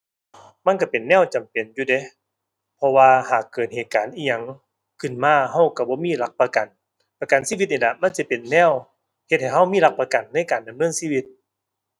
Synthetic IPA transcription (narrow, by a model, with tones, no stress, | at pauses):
ma˧˥˨nka˧˩pe˨˩nːɛː˥˨wt͡ɕa˨˩mpe˨˩njuː˧de˧˦ | pʰɔ˧waː˧haː˨˩kːɤː˨˩t̪̚heː˨˩t̪̚kaː˨˩nʔiː˧˩ɲa˧˩˨ŋ | kʰɯ˧˩˨nmaː˧˩ɦa˧˩wka˧˩bɔː˧˦miː˧˥˨la˧˥k̚pa˧ka˨˩n | pa˧ka˨˩nsiː˧˥˨wi˧t̪̚niː˧˨la˧˩ma˧˥˨nsi˧˦pe˨˩nːɛː˧˥˨w | he˧t̪̚ha˨˩jɦa˧˥˩wmiː˧˥˨la˧˥k̚pa˧ka˨˩nːa˧˥˨jkaː˨˩nda˨mnɤː˧˥˨nsiː˧˨wi˧˥t̪̚